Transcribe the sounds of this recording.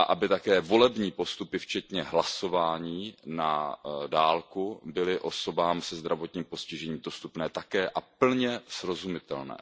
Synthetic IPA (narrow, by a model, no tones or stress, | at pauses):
aʔabɪt̪akɛːvo̞lɛbɲiːpo̞st̪upɪft͡ʃɛt̪ɲɛɦlaso̞vaːɲiːnadaːlkubɪlɪʔo̞so̞baːmsɛzd̪ɾavo̞t̪ɲiːmpo̞scɪʒɛɲiːmdo̞st̪upnɛːt̪akɛːʔapl̩ɲɛsɾo̞zumɪt̪ɛ̰lnɛ̰ː